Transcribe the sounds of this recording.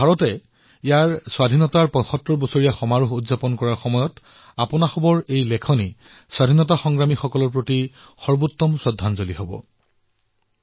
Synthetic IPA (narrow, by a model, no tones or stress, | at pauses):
bʱaɹɔtɛ | ijaɹswadʱinɔtaɹpɔ̃jxɔtɹɔɹbɔsoɹijaxɔmaɹuxudzapɔnkɔɹaɹxɔmɔjɔt | apɔnaxɔbɔɹejlɛkʰɔni | swadʱinɔt̬axɔŋɡɹamixɔkɔlɔɹpɹoti | xɔɹbutːɔmsɔdʱːanzoliɦobɔ̰